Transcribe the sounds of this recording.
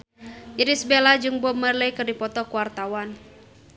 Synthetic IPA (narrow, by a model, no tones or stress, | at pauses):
ʔiɾisbelad͡ʒɨŋbɔmːərləjkɨrdipɔt̪ɔkuwart̪awan